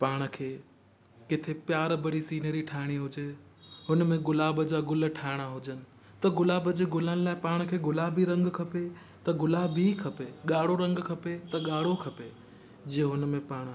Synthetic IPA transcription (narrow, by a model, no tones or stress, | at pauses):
paːɽ̃kʰeː | kɪt̪ʰepjaːɾbɐɽisiːnəɾiʈʰaːɦɪɽ̃iɦʊd͡ʑeɦʊnmẽɡʊlaːbəd͡ʑaɡʊlʈʰaːɪɽ̃aɦʊd͡ʑənɪ̆ | t̪ɐɡʊlaːbəd͡ʑeɡʊlənɪ̆laːɪpaːɽ̃kʰeːɡʊlaːbʱiɾɐ̃ŋɡkʰɐpe | t̪ɐɡʊlaːbikʰɐpeɠaːɽ̤oɾɐ̃ŋɡkʰɐpet̪ɐɠaːɽ̤okʰɐpe | d͡ʑiːɦʊnmẽpaːɽ̃